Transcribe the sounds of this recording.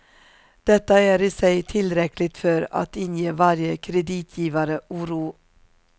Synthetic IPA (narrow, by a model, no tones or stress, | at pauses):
d̪̥ɛt̪əæːɾiːsæɪt̪ʰɪlɾɛklɪt̪fœɾɑ̰t̪ɪnjiːʋɑɾjəkʰɾɛd̪iːt̪ʰjiːʋɑɾəʔuːɾuː